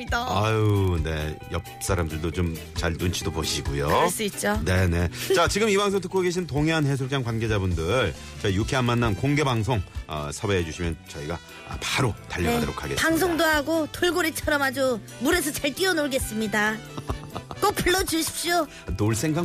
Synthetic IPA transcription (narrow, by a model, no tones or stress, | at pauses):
ane̞̰jʌp̚s͈ʰaɾamdɯɭdot͡ɕom | t͡ɕaɭnunt͡ɕʰidoboɕʰiɡujos͈it̚t͡ɕ͈one̞ne̞t͡ɕat͡ɕiɡɯmibaŋsʰoŋtʰɯ̥k͈ʰoɡeɕʰintoŋeanɦe̞s̬ʰok̚t͡ɕ͈aŋkwanɡe̞d͡ʑabundɯɭ | t͡ɕʌijukʰiɦanmanːankoŋɡe̞baŋs̬ʰoŋʌ̰sʰʌbeed͡ʑuɕʰimjʌnt͡ɕʌiɡa̰ | paɾotaʎːʌdoɾo̰kʰa̰ɡepaŋs̬ʰoŋdoɦaɡotoɭɡoɾit͡ɕʰʌɾʌmad͡ʑo | muɾe̞s̬ʰʌt͡ɕaɭt͈iʌnoɭɡe̞s͈ɯmɲida | k͈op͈ɯɭːʌd͡ʑuɕʰi̥p̚ɕ͈o | noɭs͈ʰe̞ŋɡa